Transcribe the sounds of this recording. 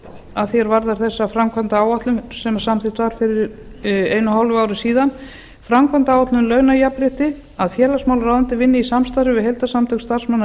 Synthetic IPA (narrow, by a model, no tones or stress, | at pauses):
aðθjɛɾvaɾðaɾ̥θɛsːafɾamkʰvant̪aaːwaht̪lʏmsɛmasamθɪht̪vaɾ̥fɪɾɪɾeːjnʏɦawlvʏaːwɾʏsiːðan | fɾamkʰvant̪awat̪lʏmlœːɥwnajapɾɪht̪ɪ | aðfjɛːlasmaːwlraːwðʏnt̪ɪvɪnːɪisamst̪aɾʏvɪɦejlt̪asamt̪ʰœkst̪ar̥smanːa